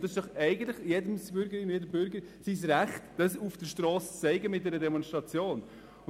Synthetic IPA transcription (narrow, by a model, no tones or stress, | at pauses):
d̥̪ɑsɪʃd̥ɔχɛɪɡən̩t̪ləχjedəmsb̥ʏɾɡəɾɪnjɛdəmbʏɾɡəɾ | sis̬ɾæχtd̥ɑsufd̥əʃtɾɔːst͡sːɛɪɡəmɪt̚dɛɾədɛmɔnʃtɾɑt͡sjoːn